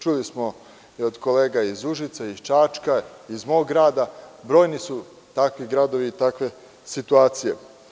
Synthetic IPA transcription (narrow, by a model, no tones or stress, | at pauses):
t͡ʃulismo | iod̪kole̞ːɡaizuʒit̪sait͡ʃaːt͡ʃkaizmo̞ːɡɡɾaːd̪abɾo̞ːjnisu | t̪akʋiɡɾad̪o̞ʋiːt̪akʋe̞ | sit̪uaːt̪sije̞̰